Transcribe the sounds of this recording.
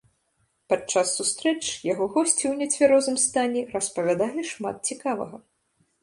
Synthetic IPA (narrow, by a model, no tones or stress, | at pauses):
pat͡ʂasːust̪ɾɛt͡ʂjaɣɔɣɔsʲt͡sʲiwnʲɛt͡sʲvʲɛɾɔzɨmst̪anʲɛrɐspɐvʲad̪alʲiʂma̰t̪̚t͡sʲikavɐ̰ɣɐ